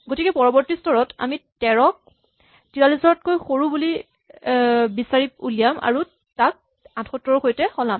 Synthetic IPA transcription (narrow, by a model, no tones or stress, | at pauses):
ɡotikɛpɔɹɔbɔɹtistɔɹɔta̰mitɛɹɔk̚ | tiɹalisɔɹɔt̚kojxoɹubuli | bisaɹip̚ṵlijama̰ɹu | tak̚ | ãtʰxɔtːɔɹɔxojtɛxɔlam